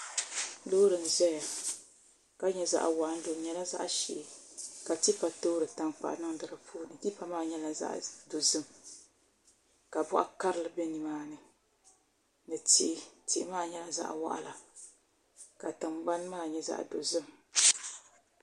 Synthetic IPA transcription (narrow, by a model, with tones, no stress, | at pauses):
lo˦ɾɨ˨n˨zɛ˦a˨ | ka˦ɲɛ˨za̰˦ʔa̰˨wa˨ʔa˦n˦do˨ɲɛ˦la˦za̰˦ʔʃɛ̰˨ka˨ti˦pa˨to˦ɾɨ˨ta˦ŋk͡pa̰˨ʔnɨ˦ŋdɨ˨ɾɨ˨pʰuː˦nɨ˨ti˦pa˨maː˦˨ɲɛ˦la˨za̰˦ʔdo˨zɨ˦m | ka˨bʊ̰˦ʔa̰˦ka˦ɾɨ˦lɨ˨bɛ˦ni˨maː˦nɨ˦ | nɨ˨ti˦ti˨ʔmaː˦˨ɲɛ˦la˨za̰˦ʔwa̰˦ʔa̰˨la˨ | ka˨tɨ˨mɡ͡ba˦n˦maː˦˨ɲɛ˦za̰˦ʔdo˨zɨ˦m